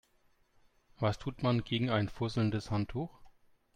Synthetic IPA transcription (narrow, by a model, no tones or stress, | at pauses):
vastʰuːtmanɡeːɡŋ̩aɪnfʊzl̩ndəshantʰuːx